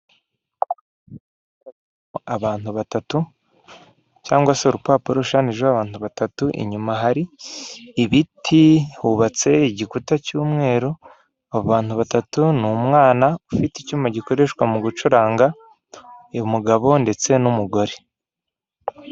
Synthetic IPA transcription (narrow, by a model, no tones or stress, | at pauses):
a | oaβaːntuβatatu | caːŋɡwaseuɾupaːpuɾouʃaːniʒeaβaːntuβatatuʔḭɲumaɦaɾiː | βitʰihuβat͡se̞iɟikutacuːmŋe̞ːɾo | aβoβaːntuβatatunumŋaːnaufiticuːmaɟiko̞ɾe̞ʃkwamuɡut͡ʃuɾaːŋɡa | muɡaβo̞nde̞t͡se̞numuɡo̞ɾe